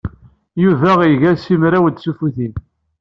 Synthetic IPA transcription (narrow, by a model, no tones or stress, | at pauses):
juvæʁiʝæsimɾæwəd̪sufuθin